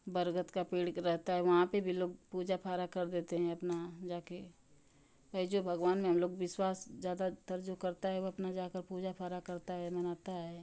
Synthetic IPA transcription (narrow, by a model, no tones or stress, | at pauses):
bəɾɡət̪kapiːɽɾɛɦt̪aɦɛʋɐɦãpebʱiloːɡpuːd͡ʒapʰaːɾakɐɾd̪eːt̪eɦɛ̃ɐpnad͡ʒaːke | bɐid͡ʒobʱɐɡʋaːnmẽɦɐmloːɡ̚ʋɪswaːsd͡ʒjaːd̪at̪əɾd͡ʒukɐɾt̪aɦɛʋoɐpnad͡ʒaːkəɾpuːd͡ʒapʰaːɾakɐɾt̪aɦɛmɐnaːt̪aɦɛː